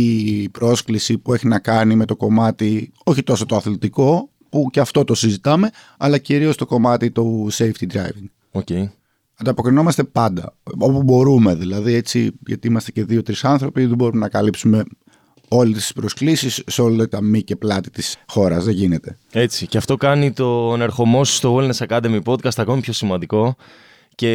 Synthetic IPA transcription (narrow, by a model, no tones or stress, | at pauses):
ipɾo̞sklisipue̞çinɐkɐnime̞t̪o̞ko̞mɐt̪i | o̞çit̪o̞sot̪o̞ɐθlit̪iko̞ | puceɐft̪o̞t̪o̞sizit̪ɐme̞ | ɐlɐciɾio̞st̪o̞ko̞mɐt̪it̪o̞sejft̪id̪ɾɐjviŋɡ | oce | ɐnd̪ɐpo̞kɾino̞mɐst̪e̞pɐnd̪ɐ̰o̞pubo̞ɾume̞ðilɐðie̞t͡siʝɐ̰t̪iimɐst̪e̞ce̞ðio̞t̪ɾisɐnθɾo̞piðebo̞ɾumenɐkɐlipsume̞ | o̞lisispɾosklisisːeo̞lɐt̪t̪ɐmice̞plɐt̪i̥t̪isxo̞ɾɐzðeʝine̞t̪e̞ | e̞t͡siceɐft̪o̞kɐnit̪o̞neɾxo̞mo̞sst̪owelnesɐkɐd̪emipo̞d̪̚kɐst̪ɐko̞mipço̞simɐnd̪iko̞ | ce̞